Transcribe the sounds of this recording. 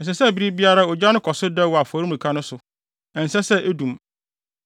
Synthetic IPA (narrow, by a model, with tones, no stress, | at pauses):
n̩˨s̬ɛ˨sɛ˦˨bi˦ɾi˦bi˦a˦ɾa˦ɔ˨d͡ʑᶣa˦nʊ̃˦kʰɔ˨sʊ˦dɛ˦˨wɔ˨a˨fɔ˨ɾi˦mũ˨kʰa˦nʊ̃˦sʊ˨ | ɛ̃˨n̩˨sɛ˦sɛ˦ʔe˦dũ˨m